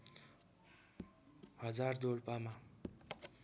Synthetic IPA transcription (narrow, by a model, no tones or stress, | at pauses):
hʌd͡zard̪oɽpama